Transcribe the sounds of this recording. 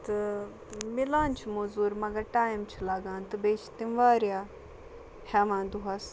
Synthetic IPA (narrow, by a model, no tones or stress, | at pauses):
t̪ɨ | mɪlãːnt͡ʃʰmozuːɾmɐɡɐʈaːjmt͡ʃʰilaːɡãːnt̪ɨbeːt͡ʃʰt̪imʋaːɾjaː | hɛːmãːnd̪uɦas